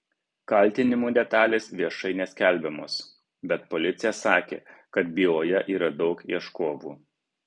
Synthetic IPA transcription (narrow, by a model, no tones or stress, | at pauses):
kɐlʲˑt̪ʲɪnʲɪmuːd̪ʲɛt̪ɑːlʲeːsʋʲiɛʃɐɪnʲɛsʲkʲælʲbʲɛmoːs | bʲɛt̪pɔlʲɪt̪sʲɪjɛsɑːkʲḛːkɐt̪̚bʲiːoːjɛʔiːɾɐd̪ɒʊkiɛʃkoːʋuː